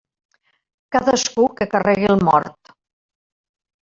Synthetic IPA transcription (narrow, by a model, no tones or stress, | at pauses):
kaðəskukəkərɛɣilˠmɔ̰ɾt̪